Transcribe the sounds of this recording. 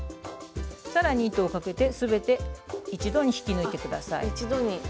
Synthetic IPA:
saɾaɲ̟iːt̪oːkake̞t̪e̞sɨbe̞t̪e̞it͡ɕid̪o̞ɲ̟içi̥kʲinɯit̪e̞kɯ̟d̪a̰sa̰ḭt͡ɕid̪o̞ɲ̟i

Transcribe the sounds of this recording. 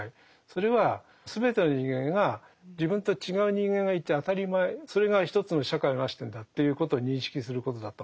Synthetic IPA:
i | so̞ɾe̞βa | sɨbe̞t̪e̞no̞ɲ̟ĩŋɡẽ̞ŋɡa | d͡ʑibɯ̟̃nt̪o̞t͡ɕiɡaɯ̟ɲ̟ĩŋɡẽ̞ŋɡait̪ːeat̪aɾʲimaeso̞ɾe̞ɡaçi̥t̪o̞t͡sɨno̞ɕakaionaɕi̥t̪ẽnd̪at̪ːe̞jɯ̟ːko̞t̪o̞ːɲ̟ĩɰ̃ɕi̥kʲisɨɾɯ̟ko̞t̪o̞d̪at̪ːo

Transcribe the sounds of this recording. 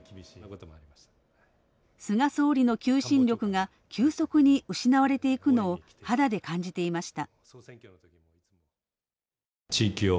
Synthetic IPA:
t̪oɾiḁ | sɨɡaso̞ːɾʲino̞kʲɨːɕĩnɾʲo̞kɯ̟ɡa | kʲʰɨːso̞kɯ̟ɲ̟iɯ̟ɕinaβaɾe̞t̪e̞ikɯ̟no̞ː | had̪ad̪e̞kãɲ̟d͡ʑit̪e̞imaɕi̥t̪ã | ŋkʲont̪kʲi | t͡ɕiːkʲio

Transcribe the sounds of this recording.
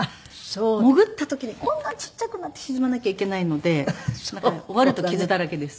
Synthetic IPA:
a | soːmo̞ɡɯ̟t̪ːat̪o̞kʲiɲ̟ikʰõ̞nːãɲt͡ɕi̥tt͡ɕːakɯnat̪ːe̞çizɨmanakʲaike̞naino̞d̪e̞nãaoβaɾɯ̟t̪o̞kʲizɨt̪aɾake̞d̪e̞sɨ̥

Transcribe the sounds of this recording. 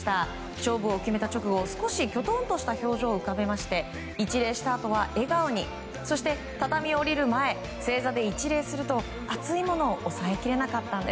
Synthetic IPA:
t̪a | ɕo̞ːbɯ̟okʲime̞t̪at͡ɕo̞kɯ̟ɡo̞sɨ̥ko̞ɕikʲo̞t̪õ̞nt̪o̞ɕi̥t̪aço̞ːʑo̞ːɯ̟kabe̞maɕi̥t̪e̞ | it͡ɕiɾe̞ːɕi̥t̪aːt̪o̞β̞aʔe̞ɡaɯ̟ɲ̟i | so̞ɕi̥t̪e̞ | t̪at̪amʲio̞ɾʲiɾɯ̟mae̞ | se̞ːzad̪e̞it͡ɕiɾe̞ːsɨɾɯ̟t̪o̞ | at͡sɨimo̞no̞ːʔːsaekʲiɾe̞nakat̪ːãnd̪e

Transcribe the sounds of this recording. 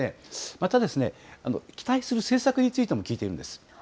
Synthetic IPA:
emat̪ad̪e̞sɨne̞̰ano̞̰kʲi̥t̪aisɨɾɯ̟se̞ːsakɯ̟ɲ̟it͡sɨit̪e̞mo̞kʲiːt̪e̞iɾɯ̟nesɨ̥

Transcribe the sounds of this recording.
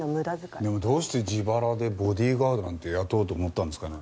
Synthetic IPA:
mɯd̪azd̪e̞mo̞d̪o̞ːɕi̥t̪e̞d͡ʑibaɾad̪e̞bo̞d̪ʲiːɡaːd̪oɾãnt̪e̞jat̪o̞ːt̪̬o̞ːmo̞t̪ːand̪esɨ̥kane̞

